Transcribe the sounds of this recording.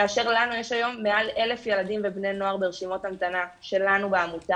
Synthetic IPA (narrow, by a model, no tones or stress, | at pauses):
aːʃe̞ʁlanujeʃajo̞mːeʔale̞le̞fje̞ladimve̞bneno̞aʁbeʁeʃimo̞tamt̪anaʃe̞lanubeamuta